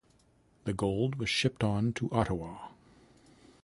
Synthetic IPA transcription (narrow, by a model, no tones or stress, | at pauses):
ðɨɡoʊlˠd̚wʌz̥ʃɪp̚tn̩tʰəʔɑɾəwɑ